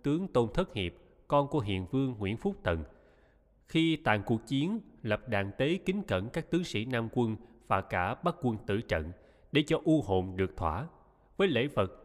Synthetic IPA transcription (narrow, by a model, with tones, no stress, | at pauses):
t̪ɨ˨˦əŋt̪o˧nt̪ʰə˦˥t̚hḭ˨˩əp̚ | kɔ˧nku˧˩əɦḭ˧˨ənvɨ˧əŋːwḭ˧˥ənfu˦˥k͡p̚t̪ə˨˩n | xi˧t̪a̰ː˧˨ŋku˨˩ək̚t͡ɕi˨˦ənlə˨˩p̚ɗa̰ː˧˨ŋt̪e˨˦kï˨˦ŋ̟kə̰˧˩nkaː˦˥k̚t̪ɨ˨˦əŋsḭ˧˥naː˧mkwə˧n | v̥aː˨˩kaː˧˩ɓaː˦˥k̚kwə˧nt̪ɨ̰˧˩t͡ɕə̰˧˨n | ɗe˧˩t͡ɕɔ˧ʔu˧ɦo̰˧˨mɗɨ˨˩ək̚t̪ʰwa̰ː˧˩ | vəː˨˦jlḛ˧˥və˨˩t̚